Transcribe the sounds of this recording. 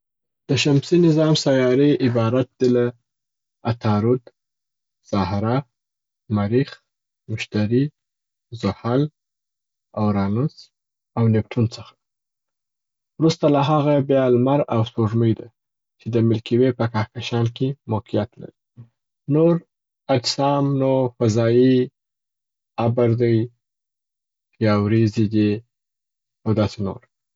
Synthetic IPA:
d̪̥əʃamsinɪzɑmsajɑɾeɪbɑɾat̪̚d̪̥ela | at̪ʰɑɾud̪ | z̥ɑhɾa | maɾix | mʊʃt̪aɾi | zʊhal | awɾɑnʊs | awnɪp̚ʈʰunt͡səxḁ | wɾust̪alaɦaɣabjɑlmaɾawspoʒməjd̪a | t͡ʃed̪əmɪlkiwepəkɑhkaʃɑnkemoqijat̪la̰ɾi | noɾ | ad͡ʒsɑmnofazɑi | abaɾd̪əj | jɑwɾezid̪i | awd̪ɑseno̰ɾ

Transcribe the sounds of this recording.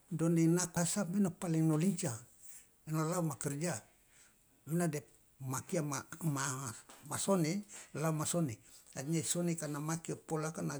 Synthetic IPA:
doninakasamenopaliŋnoliɲt͡ʃa | enolaumakɛrd͡ʒa | menadɛ | makiamamamasonelaumasoneadɲasonekanamakiapolakana

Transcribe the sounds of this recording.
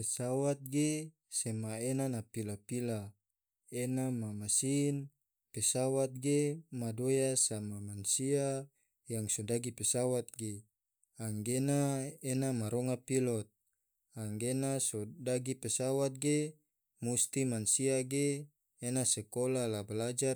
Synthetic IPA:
pesawat̪̚ɡe | semaenanapilapila | enamamasin | pesawat̪̚ɡemadojasamamansia | jaŋsodaɡipesawat̪̚ɡe | aŋɡenaenamaɾɔŋapilɔt̪̚ | aŋɡenasodaɡipesawat̪̚ɡe | must̪imansiaɡeː | nasɛkolalabalad͡ʒar

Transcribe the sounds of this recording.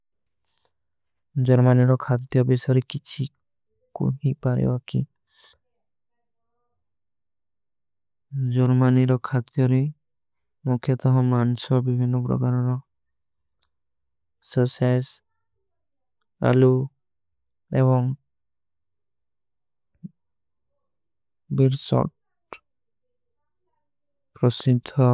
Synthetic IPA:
d͡ʒɔɾmaniɾɔkʰat̪jɔbisɔɾikit͡ʃʰi | kṵɦipaɾɛ̰wakḭ | d͡ʒɔɾmaniɾɔkʰat̪jɔɾi | mukʰːjɔt̪ɔɦɔ̃mansɔɾbibʱinːɔpɾɔ̰kaɾɔɾɔ | səses | a̰lu | eβɔŋ | biɾsɔ̰ʈ | pɾɔsid̪ʱɔ

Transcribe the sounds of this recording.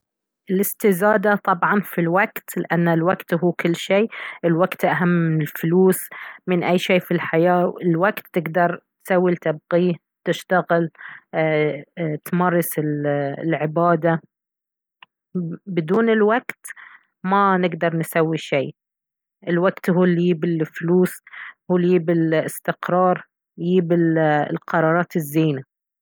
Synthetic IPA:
ʔɪlɪst̪ɪzaːd̪at̪ˤɑbʕɑnfilwaɡt̪lɪʔanːalwaɡt̪ɦuːkɪlːʃeːɪlwaɡt̪ʔaɦamːɪnɪlfluːsmɪnʔajːʃeːfilħajaːɪlwaɡt̪ːɪɡd̪ɑɾˤt̪sawːilt̪ab̚qiː | t̪ɪʃt̪aɣɪl | t̪mɑrˤːɑsɪllʕɪbaːd̪a | bɪd̪uːnɪlwaɡt̪ | manɪɡd̪ɑɾˤnsawːiʃeː | ʔɪlwaɡt̪ɦuːljiːbɪlfluːshuːljiːbɪlɪst̪ɪqɾˤɑːɾˤ | jiːbɪllqɑɾˤɑːɾˤɑːt̪ɪzːiːna

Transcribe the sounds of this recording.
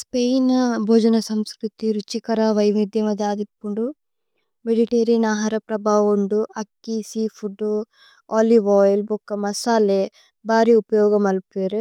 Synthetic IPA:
spejnbʱoːd͡ʒɐnɐsɐmskɾut̪iɾut͡ʃikɐɾɐʋɐjʋid̪jɐmɐd̪eaːd̪ipːuɳɖu | ʋeɖiʈeːɾinaːɦaːɾɐpɾɐbʱaːʋoɳɖuɐkːisiːpʰuɖu | aːliʋɔːjlbukːɐmɐsaːle | baːɾiupɐjɔːɡɐmɐlpeːɾu

